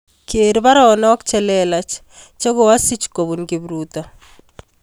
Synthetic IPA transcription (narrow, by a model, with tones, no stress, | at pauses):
kʰe˨ɾba˦ɾɔ˦˨nɔ˦kt͡ʃɛ˦lɛla˨t͡ʃ | t͡ʃo˦ɡo˨wa˦si˦t͡ʃko˨bu˨nki˨bɾut̪ɔ˨